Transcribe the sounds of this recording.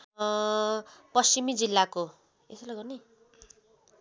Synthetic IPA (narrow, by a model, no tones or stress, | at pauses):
pʌst͡ʃimid͡zilːako | ḛsʌlaɡʌni